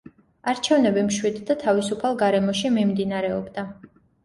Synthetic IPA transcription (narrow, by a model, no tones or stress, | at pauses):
aɾt͡ʃʰɛvnɛbimʃwid̪d̪at̪ʰavisupʰalˠɡaɾɛmɔʃimimd̪inaɾɛɔbd̪a